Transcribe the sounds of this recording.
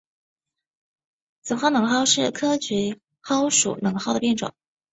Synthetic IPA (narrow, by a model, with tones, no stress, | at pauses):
t͡sɨ˨˩xɑ˥˩nɤ˧˥ŋxɑ˥˧ʊʂɻ̩˥˩kʰɤ˥t͡ɕy˧˥ | xɑ˥ʊʂṵ˨˩nɤ˧˥ŋxɑ˥˩ʊd̪ə˩pjɛ˥˩nʈ͡ʂʊ̰˨˩˦ŋ